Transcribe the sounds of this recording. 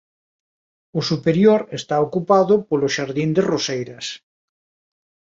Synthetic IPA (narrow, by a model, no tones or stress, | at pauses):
osupeɾjoɾest̪aokupaðʊpoloʃaɾðind̪erosejɾɐs